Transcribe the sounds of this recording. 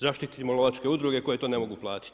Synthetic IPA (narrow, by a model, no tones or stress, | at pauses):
zaʃt̪it̪imoloʋat͡ʃke̞ud̪ɾuɡe̞ko̞jet̪oːne̞mo̞ɡuplˠaːt̪i̥t̪